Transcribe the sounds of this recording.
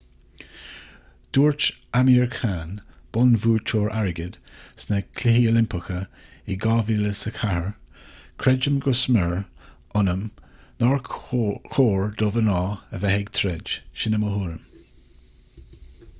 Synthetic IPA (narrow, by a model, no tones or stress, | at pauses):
d̪̥uːɹt͡ʃamiːɹkʰaːnb̥ɔnvuːt͡ʃʰoːɹʔaɹɪɡəd̪̥snəkʰlɪɦiolɪmpəxəɪɡɑːviːləsəkʰahəɹkʰɾɛd͡ʒəmɡʊsmɛɹ | ʊnəmnɔɹkʰoːɹd̥̪ovənɔːəvɛhɪɡt̪ʰɾɛd͡ʒʃɪnəməhuːɾəm